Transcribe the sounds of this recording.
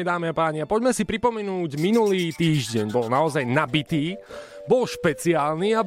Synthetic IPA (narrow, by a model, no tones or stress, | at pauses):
d̪aːmiapaːɲiapɔɟmɛsipɾipɔmɛnuːɟminuliːt̪iːʒɟɛɲbɔlnaɔzajnabit̪iː | bɔlʃpɛt͡siaːlniab